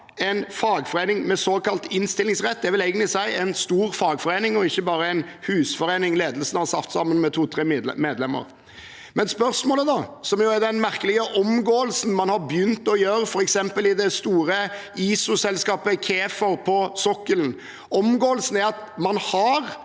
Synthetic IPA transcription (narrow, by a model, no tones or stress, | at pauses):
ɛɪnfɑːɡfɔɾeɪnɪŋmɛsoːkɑlt̪ɪnst̪ɪlːɪŋsʁɛt̪̚ːd̪ɛʋɪlæɪɡənt̪lɪsæɪɛɪnst̪uːɾfɑːɡfɔɾeɪnɪŋɔɪçːəbɑːɾəæɪnhʉːsfɔɾeɪnɪŋleːd̪əlsn̩hɑɾsɑft̪sɑmːənmɛt̪ʰuːt̪ʰɾeːmeːd̪lɛmːə̰ɾ | mɛnspœɾsmoːləd̪ɑsɔmjʊæɾd̪ɛnmæɾkəlɪɡəʔɔmɡoːəlsn̩mɑnhɑɾbjʏnt̪ɔjøːɾəfɔɾɛksɛmpəlɪd̪ɛst̪uːɾəiːsʊsɛlskɑːpəkʰeːfəɾpʰɔsɔkːəln̩ | ɔmɡoːəlsən̩æɾɑt̪mɑnhɑɾ